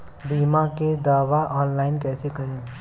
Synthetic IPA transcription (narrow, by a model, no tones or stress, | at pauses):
biːmaked̪aːʋaʔɔːnlaːɪnkɛːsekɐɾẽː